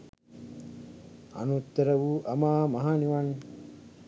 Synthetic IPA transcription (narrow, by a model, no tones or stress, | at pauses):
a̰nut̪ːəɾəʋuʔɐmaːmɐɦaːniʋan